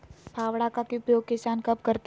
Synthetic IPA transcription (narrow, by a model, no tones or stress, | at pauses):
bʰʱaːwɽakakiʊpjoːɡ̚kɪsaːnkɐb̚kɐɾt̪